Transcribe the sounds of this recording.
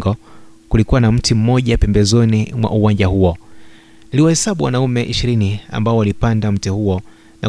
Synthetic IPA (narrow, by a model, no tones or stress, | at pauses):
ɡɔkulikuwanam̩tim̩mɔʄapɛmbɛzɔnimwa̰ʔuwaɲd͡ʒahuɔ | niliwahɛsaɓuwa̰naumɛʔiʃiɾinia̰mbaɔwalipandam̩tɛhuɔ | na̰